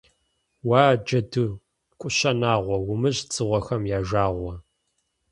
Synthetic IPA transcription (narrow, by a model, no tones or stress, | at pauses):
waːd͡ʒɐdɨ | kʷʼʊɕɐnaːʁʷɔwʊmɨʑt͡sʼɨʁʷɔxɐmjaːʒaːʁʷɔ